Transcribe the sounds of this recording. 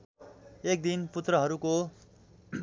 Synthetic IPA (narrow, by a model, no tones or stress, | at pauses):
ek̚d̪input̪rʌɦʌɾuko